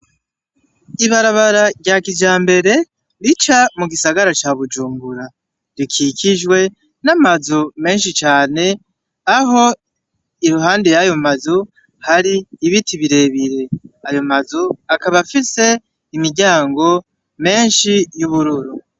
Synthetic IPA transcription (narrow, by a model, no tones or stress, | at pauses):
iβaɾaβaɾaɾɟaːkid͡ʒaːmbe̞ɾe̞ | ɾit͡ʃamuɡisaɡaɾat͡ʃaβud͡ʒuːmbuɾa | ɾikʰikʰiʒwe̞ | namazome̞ːnʃ̬it͡ʃaːne̞ | aɦo̞ | iɾuɦaːndejajo̞mazu | haɾiːβitiβiɾe̞βiɾe̞ajo̞mazuakaβafise̞ | imiɾɟaːŋɡo̞ | me̞ːnʃijuβuɾuɾu